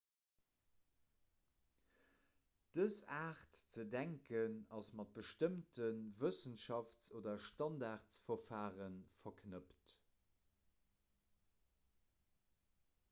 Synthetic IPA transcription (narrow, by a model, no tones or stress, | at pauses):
d̥əsaːχtt͡sədæŋkənɑsmɑt̚b̥əʃtəmtʰənvəsənʃɑft͡soːdɐʃtɑndaːʁtsfɐfaːʁənfɐkʰnəpt